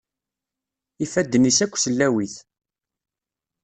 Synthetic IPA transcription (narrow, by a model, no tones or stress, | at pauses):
ifæd̪ːənisækʷːsəlːæwiθ